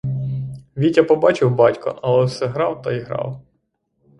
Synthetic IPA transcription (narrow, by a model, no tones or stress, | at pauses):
ʋʲitʲɐpɔbɑt͡ʃɪwbɑtʲkɔ̰ʔɐlˠɛwsɛɦɾɑwt̪ɐiɦɾɑ̰w